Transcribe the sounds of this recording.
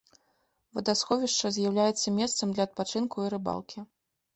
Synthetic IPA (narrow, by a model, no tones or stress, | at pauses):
vɐd̪asxɔvʲiʂt͡ʂɐzʲjawlʲajɛt̪sːɐmʲɛst̪sɐmd̪lʲɐːt̪̚pat͡ʂɨnkuiɾɨba̰lˠkʲi